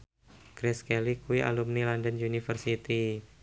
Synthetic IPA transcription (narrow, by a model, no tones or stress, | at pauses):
kɾɛskɛlikuiʔa̰lumnilandənunifərsit̪i